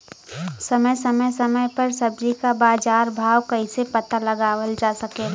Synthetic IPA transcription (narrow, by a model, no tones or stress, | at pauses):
sɐməjsəməjsəməjpɐɾsəb̚d͡ʒikabaːd͡ʒaːɾbʱaːwkəɪsepət̪aləɡaːʋəld͡ʒaːsəkeɡa